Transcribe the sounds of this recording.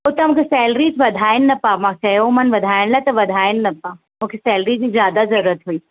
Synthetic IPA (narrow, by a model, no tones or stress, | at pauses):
ot̪ɐmũkʰesɛːlɾid͡ʒʋɐd̪ʱaːɪnnɐpamãsɛjomɐnʋɐd̪ʱaːɪɽ̃lat̪ɐʋɐd̪ʱaːɪnnɐpa | mũːkʰesɛːlɾid͡ʒizjaːd̪azɐɾuɾət̪ɦuiː